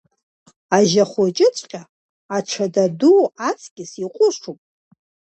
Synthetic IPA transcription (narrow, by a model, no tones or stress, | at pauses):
aʒaχʷot͡ʃʼɪt͡sʷʼqʲʼa | aʈ͡ʂʷʰadaduat͡sʰkʲɪsiqʷʼʊʂupʼ